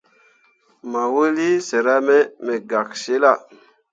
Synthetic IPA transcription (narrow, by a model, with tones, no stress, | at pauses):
ma˨wu˦li˦se˨ɾa˦me˦me˨ɡa˨k̚se˦la˨